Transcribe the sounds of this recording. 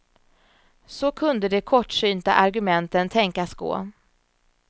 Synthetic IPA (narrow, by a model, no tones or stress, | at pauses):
sɔkʰɵnd̪əd̪ɛkʰɔʈːʂyːnt̪a̰ʔaɾɡɵmɛnt̪ənt̪ʰɛŋkasɡo̰ː